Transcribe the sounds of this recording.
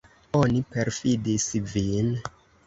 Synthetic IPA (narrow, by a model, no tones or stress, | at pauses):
onipeɾfidisvin